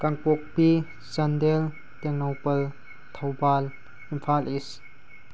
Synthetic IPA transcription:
kaŋpok̚pi | sɐndel | teŋnowpɐl | tʰɐwbal | impʰalis

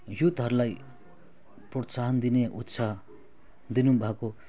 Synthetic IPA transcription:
jut̪ɦʌɾulaj | prʌt͡saɦʌnd̪ineʔṵt̪ːsʰa | d̪inubʱako

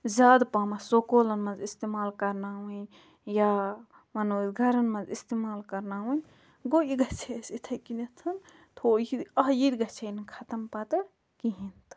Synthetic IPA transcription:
zaːd̪paːmɐsokoːlɐnmɐzist̪emaːlkɐɾnaːwɐ̃j | ja | mɐnoːzɡʱɐɾɐnmɐ̃zist̪emaːlkɐɾnaːwɐ̃n | ɡoiɡɐt͡ʃʰesit̪ʰɐkinɐt̪ʰɐn | t̪ʰojid̪ɐɦjid̪ɡɐt͡ʃʰɐnkʰat̪ɐmpat̪ɐɾ | kiɦint̪

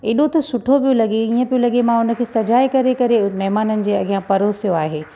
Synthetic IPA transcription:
eːɗot̪ɐsʊʈʰopijõlɐɠeiːə̃pijõlɐɠemãʊnə̆kʰeːsɐd͡ʑaːekɐɾekɐɾemɐɦmaːnənɪ̆d͡ʑeːɐɡijãpɐɾosijoaːɦeː

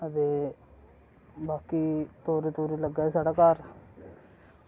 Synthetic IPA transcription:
ət̪eː | baːkiːt̪oːɾet̪uːɾiləɡːaːɦɛsaːɽaːkaːɾ

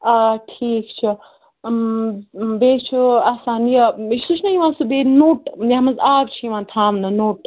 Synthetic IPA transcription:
aːʈʰiːkt͡ʃʰi | beːt͡ʃʰuaːsaːnijɐiʃsut͡ʃʰnɐjiʋãːnsubeːnoːʈjaɦmɐzaːbt͡ʃʰiiʋãːnt̪ʰaːmnɐnoːʈ

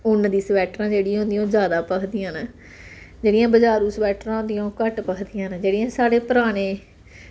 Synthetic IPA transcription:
ʊnːd̪iːsʋɛːʈɾãːd͡ʒeːɽiːãːɦʊ̃nd̪ijaõːzjaːd̪aːpəkʰd̪ijãːnə | d͡ʒeːɽɪjãːbəd͡ʒaːɾuːsəʋɛːʈɾãːnd̪ijãːkəʈpəkʰd̪ijãːnd͡ʒeːɽijãːsaːɽeːpəɾaːɽ̃eː

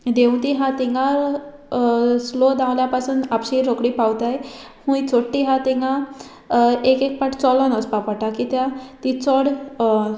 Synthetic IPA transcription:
d̪eũt̪iɦãt̪iŋɡa | slod̪ãwljapasuːnapɕiɾokɽiːpawt̪aj | hũit͡soʈːiɦat̪iŋɡã | ekek̚paʈt͡sɔlɔnəspapəʈakit̪jãt̪it͡sɔɽ

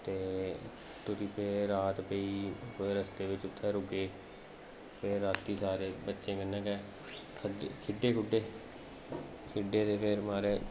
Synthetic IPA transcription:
t̪eː | t̪ʊsiːpʰeɾaːt̪peiːoeːɾəst̪eːʋɪt͡ʃʊt̪ʰːɛːɾʊɡeː | pʰɪɾːaːt̪ːiːsaːɾeːbətːʃẽːkənːɛ̃ːkɛː | kʰkʰɪɖːeːkʰʊɖeː | kʰɪɖeːt̪eːpʰɪɾmaːɾeː

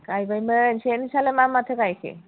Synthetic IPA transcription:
kajbajmənʃenisalemamat̪ʰekajkʰḛ

